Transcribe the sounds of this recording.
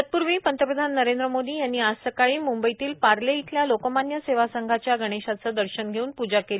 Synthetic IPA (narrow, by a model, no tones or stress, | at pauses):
t̪̚puɾʋiːpənt̪əpɾəd̪ʱanːəɾend̪ɾəmod̪iːjanːiːasəkaɭiːmumbəit̪iːlpaɾleit̪ʰljalokəmanjəseʋasəŋɡʱat͡ɕjaɡəɽ̃eɕat͡səd̪əɾɕənɡʱeuːnpud͡ʑakel